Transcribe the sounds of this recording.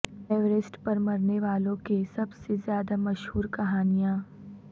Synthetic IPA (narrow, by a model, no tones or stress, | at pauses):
ɛːʋɾɪsʈpɐɾmɐɾneʋaːlõkesɐbsezjaːd̪amɐʃhuːɾkɐɦaːnijãː